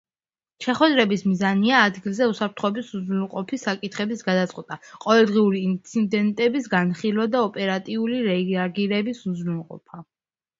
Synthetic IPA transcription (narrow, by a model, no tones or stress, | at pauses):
ʃɛχwɛd̪ɾɛbismizaniaːd̪ɡilˠzɛusapʰɾt̪ʰχɔɛbisuzɾɛlˠqʼɔpʰisakʼit̪ʰχɛbisɡad̪at̪sʼqʼwɛt̪ʼaqʼɔvɛlˠd̪ʁiuɾiːnt̪sʰid̪ɛnt̪ʼɛbisɡanχilˠwad̪aɔpʼɛɾat̪ʼiuliɾɛaɡiɾɛbisuzɾulˠqʼɔ̰pʰa